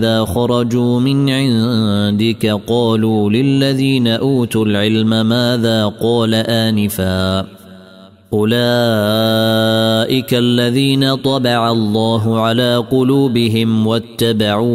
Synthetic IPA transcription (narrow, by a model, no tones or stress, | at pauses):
ðaːxɑɾˤɑd͡ʒuːmɪnʕɪnd̪ɪkaqɑːluːlɪlːaðiːnaʔuːt̪ʊlʕɪlmamaːðaːqɑːlaʔaːnɪfaː | ʔʊlaː | ʔɪkalːaðiːnat̪ˤɑbɑʕalˤːɑːɦʊʕalaːqʊluːbɪɦɪmwat̪ːabaʕuː